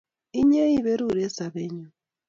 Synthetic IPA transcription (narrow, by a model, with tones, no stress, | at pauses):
i˦ɲe˦i˦βe˦ɾu˦˨ɾe˦sa˨βe˦ɲu˨